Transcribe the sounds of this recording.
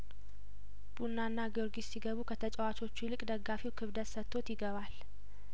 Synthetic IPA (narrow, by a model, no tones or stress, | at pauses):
b̥unːanːaɡoɾɡissiɡəβukʰət̪ʰət͡ʃʼɛwat͡ʃʰʼo̞t͡ʃːulɨkʼd̪əɡːafiwkʰɨβd̪ət̪sət̪ʰːo̞t̪jɪɡəβal